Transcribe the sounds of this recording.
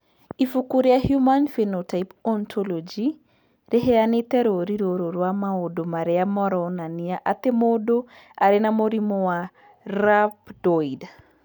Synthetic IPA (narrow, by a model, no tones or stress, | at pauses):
ifukuɾiahjumanfenotajpɔntʰolod͡ʒi | ɾɛɦeanit̪eɾoɾiɾoɾoɾwamaodomaɾɛamɔɾɔwnaniaʔat̪emodo | aɾenamoɾimowa | ɾapdojda